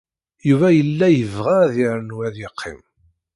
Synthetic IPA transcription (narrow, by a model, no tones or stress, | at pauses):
juvæjəlːæjəvʁaðɪɾənwæðɪqʰːɪ̰m